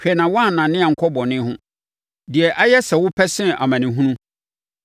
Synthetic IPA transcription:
hᶣɛ˨nã˨wa˦˨nã˨nɪ̃˦a˨ŋ̩˦kʰɔ˦bɔ̃˨nɪ̃˦hʊ̃˦ | dɪ˨ɛ˨ʔa˦jɛ˦sɛ˨wʊ˦pʰɛ˦sɪ̃˦ʔa̰˨mã˨nɪ̃˨ɦũ˦nũ˦

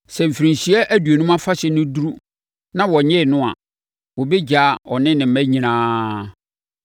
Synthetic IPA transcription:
sɛ˨m̩˨fi˨ɾĩ˨ɲ˨ɕi˦ɛ˦ʔæ˦du˨e˨nũ˦mã˦fa˦ɕɛ˨nʊ̃˦du˦ɾu˦ | nã˦wɔ˨ɲɪ̃˦˨nʊ̃˦a̰˨ | wɔ˨be˦d͡ʑa˨˦ɔ˨nɪ̃˦nɪ̃˨m̩˦mæ̃˦ɲĩ˨nãː˦

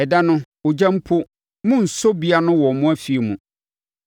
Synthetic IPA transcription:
ɛ˨da˦nʊ̃˦ | ʊ˨d͡ʑã˦m˦pʰʊ˦ | mʊ̃˦n̩˨sɔ˦bi˦a˦nʊ̃˦wɔ˨mʊ̃˦æ˦fi˨e˨mũ˨

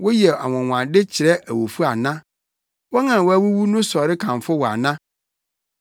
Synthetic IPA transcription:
wo˦ji˦˨ɛ˨a̰˨wɔ̃˨ŋʷ˨ã˨ndɪ˦t͡ɕʰɪ˨ɾɛ˦ʔæ˨wo˨fu˦a˨nã˦ | wɔ˦ŋã˨wɔ˦æ˦wu˦wu˦nʊ̃˦sɔ˨ɾɪ˦kʰã˨mfʊ˦wɔ˨a̰˨nã˦

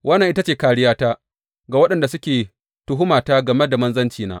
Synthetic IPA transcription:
wʔɐ˦nːɐ˨ŋʔɪ˦ta˦t͡ʃeː˨kaː˨ɽɪ˦jaː˦taː˦ | ɡaː˨wɐ˦ɗɐ˨nda˨sʊ˦kʲeː˨ | tʊ˦ɦʊ˦maː˨taː˦ɡɐ˨me˦da˨mɐ˦nzɐ˦nt͡ʃiː˨na̰ː˦ʔ

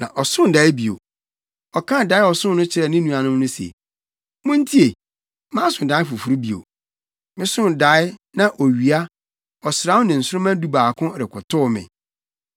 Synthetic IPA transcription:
nã̰˨ʔɔ˨sʊ̃˦n˨da˨˦ɪ˦bi˨o̰˨ | ɔ˨kʰã˦˨da˨˦ɪ˦ɔ˨sʊ̃˦n˦nʊ̃˦t͡ɕʰɪ˨ɾɛ˨nɪ̃˦nũ˨a˨nʊ̃˦m˦nʊ̃˦sḛ˨ | mʊ̃˦n̩˦tʰi˦e˨ | mãː˦sʊ̃˨n˨da˨˦fʊ˨fu˨ɾu˦bi˨o̰˨ | mɪ̃˦sʊ̃˦n˨da˨˦ɪ˦nã˨ʔo˨ɥi˨a˦ | ɔ˨sɾã˦wʊ˦nɪ̃˨n̩˨sʊ˦ɾʊ˦mã˦du˦baː˨kʰʊ̃˦ɾɪ˨kʰʊ˨tʰʊ˦mɪ̰̃˨

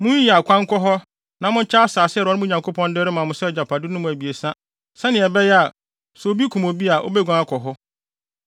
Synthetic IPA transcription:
mʊ̃˦ɲ˦ɛ˨a˨kʷʰã˦ŋ˦kɔ˦ɦɔ˦ | nã˨mʊ̃˦t͡ɕʰa˦a˦saː˨sɪ˦˨ɾɔ˨˦ɪ˦mʊ̃˦ɲã˨ŋkʰo˦pʰɔ̃˦ndɪ˦ɾɪ˦mã˨mʊ̃˨˦sɛ˦˨d͡ʑa˨pʰa˨dɪ˦nʊ̃˦mʊ̃˨æ˨bi˨e˨sã˦ | sɛ˦nɪ̃˨ɛ˨bɛ˦jɛ˦a˨ | sɔ˨o˨bi˦kʰũ˨mo˨bi˦a˨ʔo̰˦be˦ɡʷã˦a˦kʰɔ˨ɦɔ˦

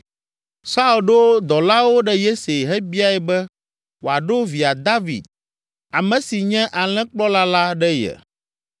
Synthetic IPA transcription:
sa˦u˨lɖo˦d̪ɔ˨la˦wo˦ɖɛ˦je˦se˨ɦɛ˦bi˦a˦ɛ˨bɛ˦ | wo˨a˨ɖo˦vi˨a˨d̪a˦vḭ˨d̪̚ | a˨mɛ̃˨si˨ɲɛ̃˦ʔa˨l̃ɛ̃˦k͡plɔ˦la˦la˦ɖɛ˦jɛ̰˨

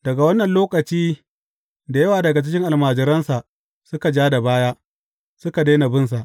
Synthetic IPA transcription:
d̥ɐ˨ɡa˨wɐ˦nːɐ˨nloː˦kɐ˨t͡ʃiː˦ | da˨jɐ˦waː˨dɐ˨ɡa˨t͡ʃɪ˦ɪ˦ŋʔa˨lmaː˨d͡ʒɐ˨ɾɐ˦nsa˨ʔ | sʊ˦ka˨d͡ʒaː˦da˨baː˦jaː˦ | sʊ˦ka˨de˦na˨bɪ˦nsa˨ʔ

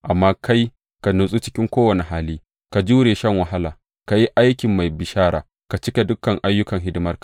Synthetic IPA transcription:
ʔa˨mːaː˦kʰa˦j | ka˨nu˨sʼu˦t͡ʃɪ̥˦kʲɪ˦ŋkʷoː˦wɐ˨ne˨ɦaː˦liː˦ | ka˨d͡ʒuː˦ɾeː˨ʃɐ˦ŋwɐ˨ɦa˦laː˨ | ka˨ji˦ʔa˦jkʲɪ˨mːa˨jbɪ˨ʃaː˦ɾa̰ː˨ | ka˨t͡ʃɪ˦kʲe˨dʊ˦kːɐ˨ŋʔa˦jːʊ˦kɐ˨ŋɦɪ˦dɪ˦mɐ˦rk

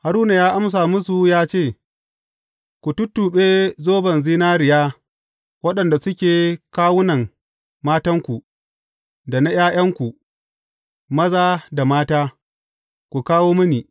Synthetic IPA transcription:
ha˨ɾuː˦na˨jaː˦ʔa˦ms̬aː˨mʊ˦s̬u˨jaː˦t͡ʃeː˦˨ | kʷu˨tʊ˦tːuː˨ɓeː˦zoː˦bɐ˨nziː˦naː˦ɾɪ˨jaː˦ | wɐ˦ɗɐ˨nda˨sʊ˦kʲeː˨kaː˦wʊ˦nɐ˨ŋ | maː˦tɐ˦ŋkʷu˨ | da˨na˦j̰aː˦j̰ɐ˦ŋkʷu˨ | mɐ˦zaː˦da˨maː˦taː˦ | kʷu˨kaː˦woː˦mʊ˦niː˨

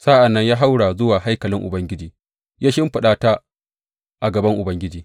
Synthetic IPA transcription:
sa˦ʔa˨nːɐ˦ɲjaː˦ɦa˦wɽa˨zʊ˦waː˨ɦa˦jkɐ˨lɪ˦ŋʔʊ˨bɐ˦ŋɡʲɪ˦d͡ʒiː˨ | jaː˦ʃɪ˦mɸɪ˨ɗaː˦ta˦ | ʔa˨ɡɐ˨bɐ˦ŋʔʊ˨bɐ˦ŋɡʲɪ˦d͡ʒiː˨

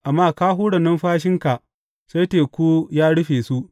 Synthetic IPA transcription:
ʔa˨mːaː˦kaː˦ɦuː˦ɽɐ˨nɐ˦mɸaː˦ʃ̬ɪ˦ŋka˨ʔ | se˦teː˨kʷu˦jaː˦ɽʊ˦ɸeː˨su˦ʔ

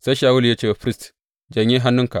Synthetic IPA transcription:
sa˦ʃaː˨wʊ˦lja˦t͡ʃeː˦wa˨ɸɾi˦st | d͡ʒɐ˨ɲi˦ɦa˦nːʊ˦ŋka˨ʔ

